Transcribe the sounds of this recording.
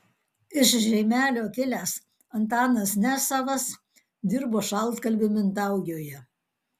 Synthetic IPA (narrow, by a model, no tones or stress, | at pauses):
ɪʃʒʲɛɪmʲæːlʲoːkʲɪlʲæːs | ɐnt̪ɑːnɐsnʲæsɑʋɐs | d̪ʲɪɾboːʃɐlˠt̪kɐlʲbʲɪmʲɪnt̪ɑˑʊɡʲoːjɛ